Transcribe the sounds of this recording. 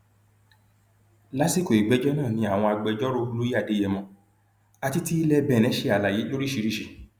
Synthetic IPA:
la˦si˦ko˨i˨ɡ͡bɛ˨˦d͡ʒɔ˦nãː˦˨nĩ˧˦a˦˨w̃ɔ̃˧a˧ɡ͡bɛ˧d͡ʒɔ˦ɾo˦˧lu˦i˦a˦˨de˨˦jɛ˧mɔ̃˧ | a˧ti˦ti˦i˧˦lɛ˧bɛ˨nɛ̃˨˦ʃe˧a˨la˨ji˨˦lo˦ɾi˦ʃi˨˦ɾi˦˨ʃi˨

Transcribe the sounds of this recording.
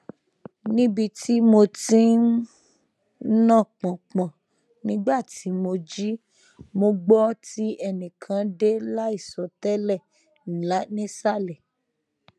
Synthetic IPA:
nĩ˦bi˧ti˦mo˧tĩ˦ | nã˦˨k͡pɔ̃˨k͡pɔ̃˨ | nĩ˨˦ɡ͡ba˦˨ti˨˦mo˧d͡ʒi˦ | mo˧ɡ͡bɔ˦ti˦ɛ˧nĩ˨kʰã˨˧de˦la˦i˦˨sɔ˨tɛ˦lɛ˦˨ | n̩˨la˨˦nĩ˦sa˦˨lɛ˨

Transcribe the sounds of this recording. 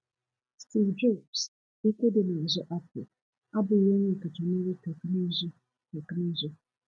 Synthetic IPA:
stʰi˨vdu˦˨ps̩˦ | kʷo˦dɪ˨nʊ̃˨zʊ˦ʔa˦pʰʊ̰˨ | a˦bʊ˨wʊ̃˦nɪ̃˦˨ka˨tʰɔ˨nʊ̃˦ji˦tʰa˨knĩ˦zʊ˦ | ka˨kɨ˦nĩ˦zʊ˦

